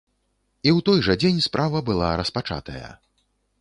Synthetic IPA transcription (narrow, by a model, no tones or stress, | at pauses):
iwt̪ɔjʐɐd͡zʲenʲspɾʔavɐbɨlˠaɾɐspat͡ʂa̰t̪ɐjɐ̰